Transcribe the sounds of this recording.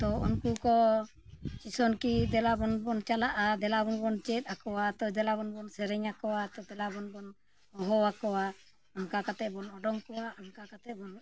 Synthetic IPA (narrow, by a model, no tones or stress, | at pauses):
t̪ɔṵnkukɔ | t͡ʃisɔnkid̪ɛlabɔnbɔnt͡ʃalaʔad̪ɛlabɔnbɔnt͡ʃɛt̪̚ˀakɔwat̪ɔd̪ɛlabɔnbɔnsɛɾɛɲakɔwat̪ɔd̪ɛlabɔnbɔn | ɔɦɔakɔwa | aŋkakat̪ɛʔbɔnɔɖɔŋkɔwaʔɔŋkakat̪ɛbɔn